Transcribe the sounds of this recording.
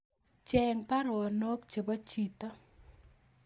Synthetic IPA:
t͡ʃɛ˨ŋpa˦ɾʊ˨ɔ˨no˦kt͡ʃe˨ba˦t͡ʃi˨tɔ˦

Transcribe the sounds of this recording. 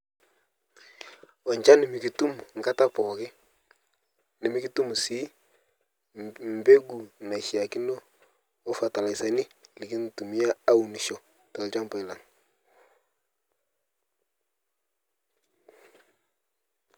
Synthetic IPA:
wɔ˨ɲt͡ʃa˦nɪ˨mi˨ki˨tu˦m˨ŋ˨ɡa˦ta˦pɔ˨kɪ˦ | ni˨mi˦ki˦tu˦mu˨si˦ | m̩˨be˦ɡu˨na˨ʃi˨a˨ki˦no˦ | o˦fa˨ta˨la˨jsa˨ni˦˨lɪ˨ki˦n˨tu˨mi˦ja˦a˦u˨ni˨ʃo˨ | ta˨lt͡ʃa˦mpa˨ɪ˨la˨ŋ

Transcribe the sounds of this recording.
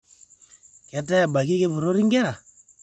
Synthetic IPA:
kɛ˨tɛ˦a˨ba˨ki˦ke˦βu˨ɾo˦ɾi˦ŋɡɛ˦ɾa˨

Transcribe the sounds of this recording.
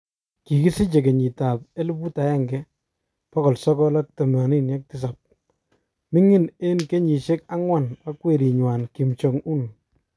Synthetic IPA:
ki˨ki˦si˦t͡ʃe˨k̬e˨ɲi˨ta˨p̚e˦lbu˦ta˨jɛ˦˨ŋɡɛ˦ | pɔ˦kɔ˨lsɔ˦kɔ˦la˦k̚tɛ˨ma˨ni˦nja˦k̚tɪ˦s̬a˨p̚ | mi˦ŋɪ˦ne˦nke˦ɲi˨ʃe˦ka˦ŋwa˦˨na˦kwe˨ɾi˨ɲwa˨nki˨mt͡ʃo˨ŋu˦n

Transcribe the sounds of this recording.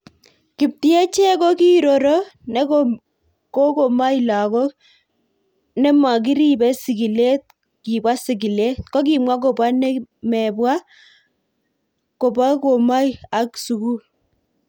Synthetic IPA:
ki˨p̚ti˦e˦t͡ʃɛ˦kɔ˦ki˦ɾo˨ɾɔ˦nɛ˦ | ko˦ko˨ma˦i˨la˨kɔ˦ | nɛ˦ma˨k̬i˦ɾi˦bɛ˦si˨ɡi˨le˦t̚ | ki˨bwa˦si˨ɡ̬i˨le˦kɔ˦k̬i˨mwa˦k̬o˨ba˦nɛ˦mɛ˨bwa˦ | ko˨ba˦ko˨ma˦i˦a˨ksu˨ku˦

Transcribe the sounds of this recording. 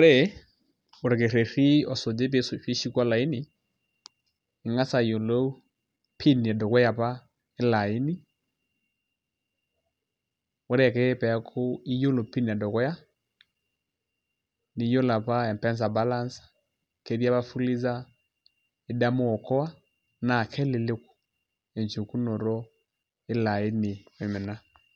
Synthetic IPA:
ɾe˦ | o˨ɾe˨ke˨ɾe˨ɾi˦ɔ˨so˨d͡ʒe˦p̬e˨˦sfe˦ʃi˦kwa˦la˨i˦ni˨ | ŋa˦sa˨jo˨lo˦u˦ | pʰi˦n˨ɛ˨do˨kɛ˦ja˨pa˦ | e˦la˨i˦ni˦ | o˦ɾe˦a˨ke˦pɛ˨a˦kʰo˦i˦jo˦lo˨pi˦n˨ɛ˨do˨kɛ˦ja˦ | ni˨˦jo˦la˨pa˦ɛ˨mpɛ˦ns̬a˨ba˦la˦nsḁ | ke˨˦ɾja˦βa˦fu˦li˦za˦ | e˨da˦mo˦ɔ˨kɔ˦a˦ | na˨kʰɛ˦le˨le˦ko̥˨ | e˨nt͡ʃu˨ku˦no˨ɾɔ˦ | e˦la˨e˦ni˨we˨me˨na˦

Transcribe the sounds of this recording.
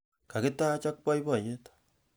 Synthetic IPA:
ka˨ke˦ta˦t͡ʃa˦k̚pa˦i˦βa˨ɲe˦tḁ

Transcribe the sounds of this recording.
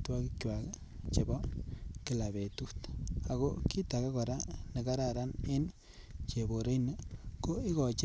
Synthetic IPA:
twa˦ki˦kjwa˨k | t͡ʃe˨bɔ˦ki˦la˨be˨tu˦t̪a˨ɣo˦ki˦ta˨ka˦ka˨ɾa˦ne˨ka˦ɾa˨ɾa˦nɪ˦n | t͡ʃe˨bo˨ɾe˦jnə˨ko˦i˦kɔ˨t͡ʃ

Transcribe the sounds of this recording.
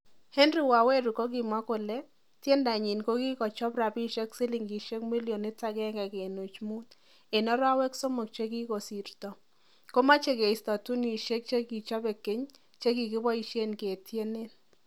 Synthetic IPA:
he˦ndɾi˦wa˨we˦ɾu˨ko˦ɡɪ˨mwa˦kʊ˨le˦ | tje˦nda˨ɲɪ˨nko˦ɡi˦kɔ˨t͡ʃɔ˦pɾa˨bi˦ʃe˦ksɪ˦lɪ˨ŋɡi˨ʃe˦kmi˦ljo˨nɪ˦ta˦ɡɛ˦ŋɡɛ˨ke˨no˨t͡ʃmu˦t̪ | e˨nɔ˦ɾa˦wɛ˦kso˦mo˨k̚t͡ʃe˦ki˦ko˨si˨ɾtɔ˨ | ko˦ma˦t͡ʃe˦ke˨ɪ˨stɔ˨tu˦ni˨ʃe˦k̚t͡ʃe˦ɡi˨t͡ʃɔ˦be˨kɪ˦ɲ | t͡ʃe˦ɡi˨kɪ˦bɔ˦i˨ʃe˦nke˨tje˦ne˦n

